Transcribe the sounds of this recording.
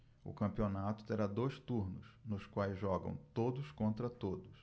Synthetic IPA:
ʊ̰kɐ̃mpionat̪ʊ̥t̪eɾad̪ojst̪uɾnʊsnʊskwajzʒɔɡɐ̰̃w̃t̪od̪ʊskõnt̪ɾɐt̪od̪ʊs

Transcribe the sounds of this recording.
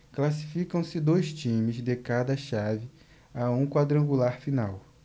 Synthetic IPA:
klasi̥fikɐ̃w̃sɪd̪ojst͡ʃĩmɪzd̪ekad̪ɐʃavɪ | aũkwad̪ɾɐ̃ŋɡulaɾfinaw

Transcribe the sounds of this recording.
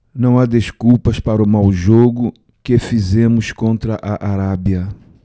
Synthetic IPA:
nɐ̃w̃ad̪eskupɐspaɾʊmawʒoɡʊ | kefizẽmʊskõnt̪ɾɐʔaʔaɾabiɐ

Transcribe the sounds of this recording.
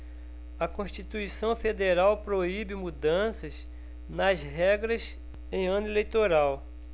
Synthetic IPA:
ɐkõʃt͡ʃit̪uisɐ̃w̃fed̪eɾawpɾoibɪmud̪ɐ̃sɐz | nɐzɦɛɡɾɐz | ẽj̃ɐ̃nʊelejt̪oɾaw

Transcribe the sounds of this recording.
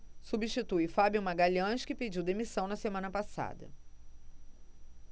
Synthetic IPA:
subiʃt͡ʃit̪ujfabjumaɡaʎɐ̃ʃkɪped͡ʒiwd̪emisɐ̃w̃nɐsemɐ̃nɐpasa̰d̪ɐ̰

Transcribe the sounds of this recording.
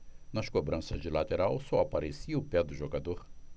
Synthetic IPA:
nɐʃkobɾɐ̃sɐd͡ʒilat̪eɾawsɔapaɾesiɐʊpɛd̪ʊʒoɡad̪oɾ

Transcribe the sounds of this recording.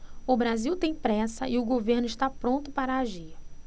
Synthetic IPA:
ʊbɾaziwt̪ẽj̃pɾɛsɐ̰ʔɪʊɡoveɾnʊɪʃt̪apɾõnt̪ʊpaɾɐaʒiɾ

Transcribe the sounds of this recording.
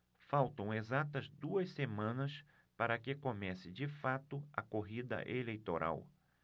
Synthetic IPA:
fawt̪ɐ̃w̃ezat̪ɐzd̪uɐssemɐ̃nɐs | paɾɐkɪkomɛsɪd͡ʒɪfat̪ʊɐkoɦid̪ɐ̰ʔelejt̪oɾʔa̰w

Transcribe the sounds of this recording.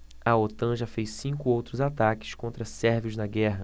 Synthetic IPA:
ɐot̪ɐ̃ʒɐfejsĩŋkʊowt̪ɾʊzat̪akɪ̥skõnt̪ɾɐsɛɾviʊznɐɡɛɦɐ

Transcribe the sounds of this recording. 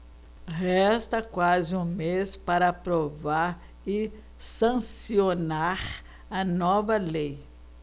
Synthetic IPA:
ɦɛst̪ɐkwazɪũmespaɾɐpɾovaɾ | ɪ | sɐ̃sionaɾ | ɐnɔvɐlej

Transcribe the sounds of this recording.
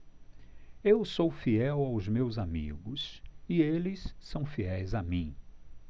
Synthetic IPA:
ewsowfiɛwawzmewzamḭɡʊsɪelɪsːɐ̃w̃fiɛjzamĩ

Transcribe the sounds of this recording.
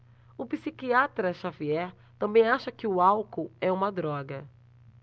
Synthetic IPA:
ʊpisikiat̪ɾɐʃaviɛɾ | t̪ɐ̃mbẽj̃aʃɐkɪʊawkoɛũmɐd̪ɾɔɡɐ

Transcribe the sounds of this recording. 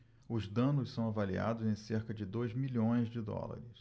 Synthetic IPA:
ʊzd̪ɐ̃nʊssɐ̃w̃avalia̰d̪ʊzẽj̃seɾkɐd͡ʒɪd̪ojzmiʎõj̃zd͡ʒɪd̪ɔ̰la̰ɾɪs

